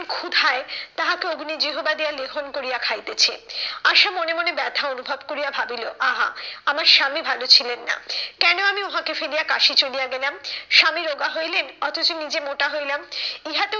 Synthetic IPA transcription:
kʰud̪ʱaet̪aɦakeoɡnid͡ʑiɦobad̪ijaleɡʱonkoɾijakʰajt̪et͡ɕʰeaʃamonemonebɛt̪ʰaonubʱobkoɾijabʱabilo̰ʔaɦa̰amaɾʃamibʱalot͡ɕʰilenːa̰kɛnoamioɦakefelijakaʃit͡ɕolijaɡelamʃamiɾoɡaɦojlenɔt̪ʰot͡ɕonid͡ʑemoʈaɦojlamiɦat̪e

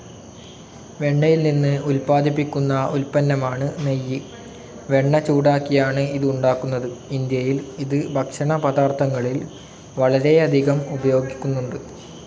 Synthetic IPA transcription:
ʋe̞ɳːɐjilninːɨulpaːd̪ʱipːikʲːunːɐulpɐnːɐmaːɳɨnɐjːɨ | ʋe̞ɳːɐt͡ɕuːɽaːkːijaːɳɨiðɨuɳɖaːkːunːɐðɨind̪jɐjiliðɨbʱɐkʂɐɳɐpɐðaːrt̪ʰɐŋːɐɭil | ʋɐɭɐɾe̞ɐd̪ʱiɣɐmubɐjo̞ːɡikʲːunːuɳɖɨ

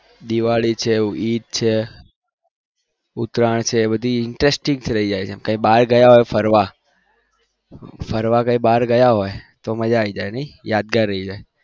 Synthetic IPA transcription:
d̪iʋaɭit͡ʃʰeit̪̚t͡ʃʰe | ʊt̪ɾaɳt͡ʃʰeːbəd̪ʱiɪɳʈɾesʈɪ̃ŋɡt̪ʰiɾəid͡ʒajt͡ʃʰemkãĩbaɾɡəjaɦojfəɾʋa | fʰəɾʋakãĩbaɾɡəjaɦojt̪oməd͡ʒaːid͡ʒajnəijad̪̚ɡaɾːəɦid͡ʒaj

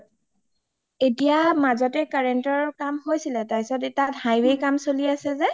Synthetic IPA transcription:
etijamazɔtɛkaɹɛntɔɹkamɦojsilɛtajsɔtitathajwekamsoliasɛzɛ

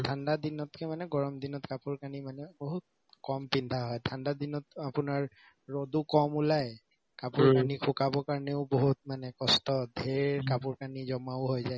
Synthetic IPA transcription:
dʰʱandadinɔtkʰɛmanɛɡɔɹɔmdinɔtkapuɹkanimanɛboɦut̚ | kɔmpindʱaɦɔjdʰʱandadinɔtapʊnaɹ | ɹodukɔmulaj | kapuɹkanikʰʊkabɔkaɹnɛʊboɦut̚manɛkɔstɔdʱɛɹkapuɹkanizɔmaʊɦojzaj

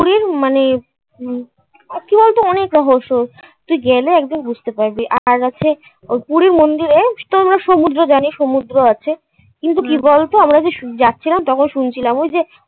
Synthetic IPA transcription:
puɾiɾmane | kibɔlt̪oɔnekɾɔɦoʃoɾ | t̪ujɡɛleɛk̚d̪inbud͡ʑʱt̪epaɾbiʔaɾat͡ɕʰe | opuɾiɾmond̪iɾet̪oamɾaʃomud̪ɾod͡ʑaniʃomud̪ɾoat͡ɕʰe | kint̪̬ukibɔlt̪oamɾad͡ʑeʃd͡ʑatːɕʰilamt̪ɔkʰonʃunt͡ɕʰilamojd͡ʑe

